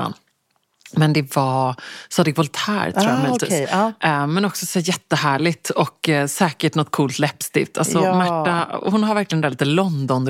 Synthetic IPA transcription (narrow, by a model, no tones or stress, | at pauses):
n | mɛnd̪ɛvasɑd̪ɪɡvɔlt̪ʰhæ̰ːɾt̪ʰɾuːjamːt̪ḭsmɛnɔksɔsæːjɛt̪ːəhæːɭɪt̪ɔksɛːkəʈnɔt̪ːkʰuːlt̪lɛpst̪ɪ̰ft̪ʰa̰lsɔmmæːahʊnɦaɾvæɾklɪɡənd̪æːliːt̪əlɔnd̪ɔn